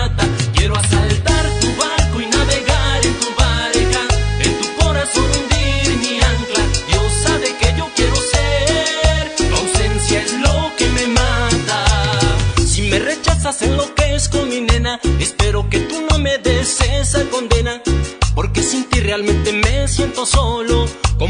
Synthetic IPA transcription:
t̪akjeɾoasalt̪aɾt̪uβaɾkoinaβeɣaɾent̪uβaɾɣaent̪uko̞ɾasonund̪iɾniaŋklajosaβekeʝokjeɾose | ɾlawsẽ̞nsjaezlokememand̪a | sime̞re̞t͡ʃasasenlo̞keskominenaespe̞ɾo̞ke̞t̪uno̞me̞ðeseseko̞nd̪e̞napo̞ɾke̞sint̪irealmẽnt̪e̞me̞sje̞nt̪o̞soloko

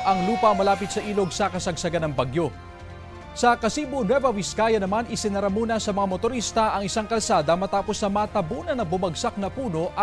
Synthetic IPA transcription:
ʔɐŋluːpɐmɐlaːpɪt̪sɐʔiːlo̞ɡ̚sɐkɐsɐɡ̚sɐɡanɐŋbɐɡjo̞ | sɐkɐsiːbonwɛvɐwɪskaːjɐnɐmanɪsɪnɐɾamuːnɐsɐmɐŋamot̪oɾist̪ɐʔɐŋɪsaŋkɐlsaːd̪ɐmɐt̪aːpo̞snɐmaːt̪ɐbuːnɐnɐbʊmɐɡsak̚nɐpuːno̞ʔɐ

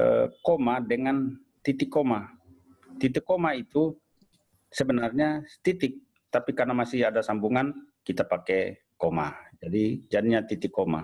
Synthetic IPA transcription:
əkomadəŋan | t̪it̪ɪkːoma | t̪it̪ɪkːomait̪u | səbənarɲast̪it̪ɪk̚ | t̪apikarnamasɪadasambuŋankit̪apakɛ | komad͡ʒadid͡ʒadiɲat̪it̪ɪkːoma̰

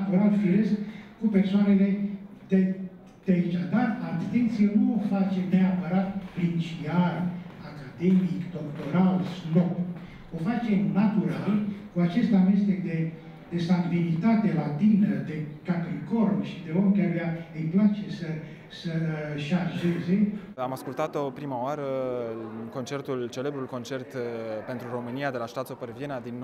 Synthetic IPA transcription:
t̪uɾalfiɾeskkupersoane̞le̞d̪e | d̪̥eait͡ʃad̪arat̪ent̪sijenuofat͡ʃeneapəɾat̪̚pɾint͡ʃiarakad̪emikd̪o̞kt̪o̞ɾalsno | ofat͡ʃe̞mnat̪uɾalkuat͡ʃe̞st̪ame̞st̪ekd̪e | d̪̥e̞saŋɡlinit̪at̪e̞lat̪inəd̪e̞kak̪ɾikorbʃid̪e̞omʲkaɾujaɨjplat͡ʃe̞sə | səʃarʒe̞ze̞ | amaskult̪at̪opɾimaoaɾə | ko̞nt͡ʃe̞rt̪ult͡ʃelebɾulko̞nt͡ʃe̞rt̪pe̞nt̪ɾuɾo̞mɨniad̪e̞laʃt̪at̪sopeɾvjenad̪in

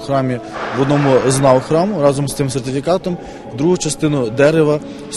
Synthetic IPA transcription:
xɾɑmʲiʋɔd̪nɔmʊznɑwxɾɑmʊɾɑzɔmst̪ɪmsert̪ɪfʲikɑt̪ɔm | d̪ɾuɦʊt͡ʃɐst̪ɪnʊd̪ɛɾɪʋɐ

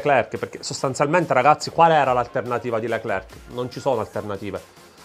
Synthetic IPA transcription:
klɛrkperkesːost̪ant̪sjalment̪eɾaɡat̪sːikwaːleɛːɾalalt̪ernat̪iːvad̪ileklɛrknont͡ʃisoːnoalt̪ernat̪iːve

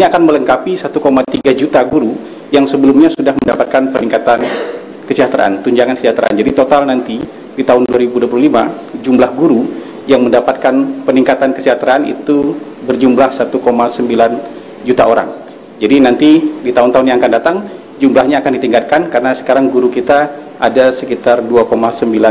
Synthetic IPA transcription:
iniakanmələŋkapisat̪ukomat̪iɡad͡ʒut̪aɡuɾu | jaŋsəbəlumɲasudahməndapat̪̚kanpəniŋkat̪an | kəsiɦat̪ɾa̰ʔa̰nt̪uɲd͡ʒaŋankəsiat̪ɾa̰a̰nd͡ʒadit̪ot̪alnant̪i | dit̪aɦʊnduaɾibuduapluhlima | d͡ʒumlahɡuɾu | jaŋməndapat̪̚kanpəniŋkat̪ankəsiɦat̪ɾaanḭt̪u | bərd͡ʒumlahsat̪ukomasəmbilan | d͡ʒut̪aʔoɾa̰ŋ | d͡ʒadinant̪idit̪aʊnt̪aɦʊnjaŋakandat̪aŋ | d͡ʒumlahɲaːkandit̪iŋɡat̪̚kankaɾənasə̥kaɾaŋɡuɾukit̪a | ʔadasəkit̪arduakomasəmbilan

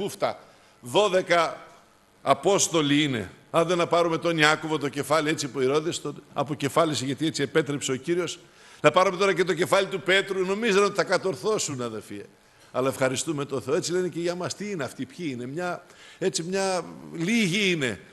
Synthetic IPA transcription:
uft̪ɐ̰ | ðo̞ðe̞kɐː | po̞st̪o̞liine̞̰ɐnðenɐpɐɾume̞t̪o̞niɐko̞vo̞t̪o̞ce̞fɐliet͡siɐpuiɾoðest̪onɐ̰po̞ce̞fɐliseʝɐt̪iet͡siepe̞t̪ɾe̞pse̞ociɾio̞s | nɐpɐɾumet̪o̞ɾɐce̞t̪o̞ce̞fɐlit̪upe̞t̪ɾuno̞mizeno̞t̪i̥θɐkɐt̪o̞ɾθo̞sunɐðelfiɐ̰ | ɐlɐefxɐɾist̪ume̞t̪o̞θeoe̞t͡sile̞neceʝɐmɐst̪iineɐft̪ipçiine̞mɲɐe̞t͡simɲɐliʝiine̞

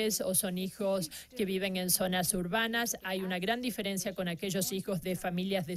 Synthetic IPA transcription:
esoso̞nixoske̞β̞iβ̞e̞ŋe̞nso̞nasuɾβanasajunaɣɾand̪ife̞ɾensjako̞nake̞ʒo̞sixo̞zðefamiljazðe

